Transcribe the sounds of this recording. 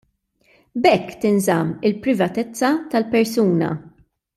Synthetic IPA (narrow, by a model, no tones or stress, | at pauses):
bɛkːt̪ɪnzɐmːɪlpɾɪvɐt̪ɛt͡sːɐt̪ɐlpɛɾsuːnɐ̰